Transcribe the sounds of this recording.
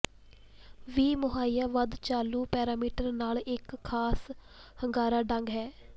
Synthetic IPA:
ʋiːmʊɦaːiːjaːʋəd̪t͡ʃaːluːpɛːɾaːmiːʈəɾnaːlɪkʰːaːs | həŋɡaːɾaːɖəŋɡɦɛː

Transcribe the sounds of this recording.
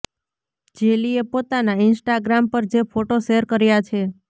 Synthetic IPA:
d͡ʒeliepot̪anaɪnsʈaɡɾampəɾd͡ʒefʰoʈoʃeəɾkəɾjat͡ʃʰe

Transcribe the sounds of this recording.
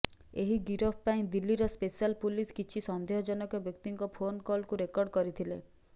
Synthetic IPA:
eɦiɡiɾɔpʰpaĩd̪ilːiɾɔspesialpuliskit͡ʃʰisɔnd̪ʱeɦɔd͡ʒɔnɔkɔbjɔk̚t̪iŋkɔpʰonkɔlkuɾekɔɾɖkɔɾit̪ʰile

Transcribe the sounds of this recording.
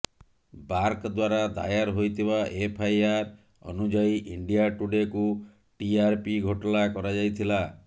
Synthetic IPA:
baɾkd̪waɾad̪a̰jaɾɦojt̪ʰibaʔepʰajaɾ | ɔ̰nud͡ʒaiʔiɳɖijaʈuɖeku | ʈiaɾpiɡʱoʈɔlakɔɾad͡ʒajt̪ʰila

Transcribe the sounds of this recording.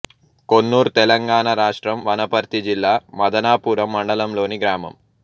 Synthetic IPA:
konːuːɾt̪ɛlɐŋɡaːɳaɾaːʂʈɾɐmʋɐnɐpɐɾt̪id͡ʒilːaːmɐd̪ɐnaːpuːɾɐmːɐɳɖɐlɐmlo̞ːniɡɾaːmɐ̰m

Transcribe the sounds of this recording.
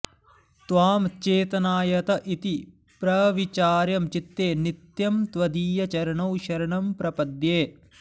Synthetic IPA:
t̪ʋaːmt͡ʃeːt̪ɐnaːjɐt̪ɐʔit̪i | pɾɐʋit͡ʃaːɾjɐmt͡ʃit̪ːeːnit̪jɐmt̪ʋɐd̪iːjɐt͡ʃɐɾɐɳɐwʃɐɾɐɳɐmpɾɐpɐd̪jeː

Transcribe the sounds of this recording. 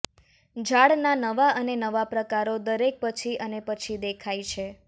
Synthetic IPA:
d͡ʒʱaɽnanəʋaʔənenəʋapɾəkaɾod̪əɾek̚pət͡ʃʰiənepət͡ʃʰid̪ekʰajt͡ʃʰe

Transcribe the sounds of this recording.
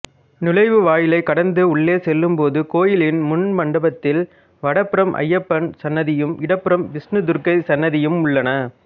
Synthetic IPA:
nɪlɐɪʋɯʋaːjɪlɐɪkːɐɽɐnd̪ɯʊɭːeːsɛlːɯmpoːðɯkoːjɪlɪnmʊnmɐɳɖɐbɐt̪ːɪl | ʋɐɽɐpːɪɾɐmʔɐ̰jːɐpːɐnsɐnːɐðɪjɯmɪɽɐpːɯɾɐmʋɪsnɯd̪ʊɾkɐɪsɐnːɐðɪjɯmʊɭːɐnɐ

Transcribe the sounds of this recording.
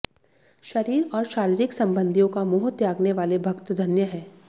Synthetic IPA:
ʃɐɾiːɾɔːɾʃaːɾiːɾɪksɐ̃mbə̃nd̪ʱijõkamʊːɦʊt̪jaːɡneʋaːlebʱɐkt̪d̪ʱɐnjəɦɛː

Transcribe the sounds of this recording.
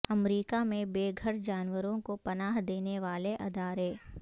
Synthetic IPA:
ɐmɾiːkamẽbeːɡʱəɾd͡ʒaːnwəɾõkopɐnaːɦd̪eːneʋaːleʔɐd̪aːɾeː

